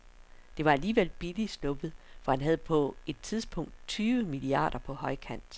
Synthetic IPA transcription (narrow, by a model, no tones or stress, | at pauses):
d̥e̝ʋɑ̈æliːʋel̰b̥ilisl̥ɔ̽b̥əð̩ˠfɒ̽hænɦæð̞̩ˠpʰɒ̽e̝d̥̚t͡sʰiðˠsb̥ɔ̽ŋ̰d̥t͡sʰyːʋəmiliɑ̰̈ːɾ̥ɐpʰɒ̽hɒ̽ɪ̰kʰæn̰d̥